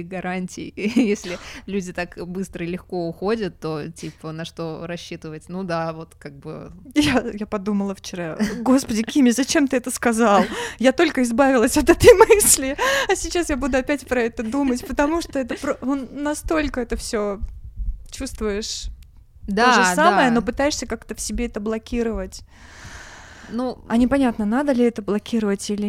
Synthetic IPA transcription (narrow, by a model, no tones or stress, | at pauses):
ɡɐɾʔanʲtʲɪ̰jjesʲlʲɪlʲudʲɪt̪akbɨst̪ɾəɪlʲɪxko̞ʊxodʲət̪ːotʲipənɐʂt̪o̞ɾɐɕːit̪ɨvətʲnud̪avo̞t̪kaɡ̚bɨ̰jajapɐd̪uməlˠəft͡ɕɪɾaɡo̞spədʲɪkʲimʲɪzɐt͡ɕe̞mt̪ɨɛt̪əskɐzɑlˠjat̪o̞lʲkəɪzbavʲɪlˠəsʲot̪ɛt̪əjmɨsʲlʲɪɐsʲɪt͡ɕasjabud̪ʊɐpʲætʲpɾɐɛt̪əd̪umətʲpət̪ɐmuʂt̪o̞ɛt̪əpɾoonɐst̪o̞lʲkəɛt̪əfsʲo | t͡ɕust̪vʊjɪʂ | d̪oʐɨsaməjəno̞pɨt̪ajɪʂsʲəkakt̪əfsʲɪbʲeɛt̪əblˠɐkʲiɾəvətʲ | nuɐnʲɪpɐnʲat̪nənad̪əlʲɪɛt̪əblˠɐkʲiɾəvətʲilʲɪ